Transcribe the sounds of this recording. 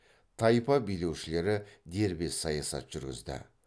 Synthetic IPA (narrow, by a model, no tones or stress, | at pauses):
t̪ʰɑjpɑbijle̞wʃɪle̞ɾɪd̪e̞ɾbe̞sɑjɑsɑ̰t̪ʒ̥ʏɾɡʲɪ̰zd̪ɪ̰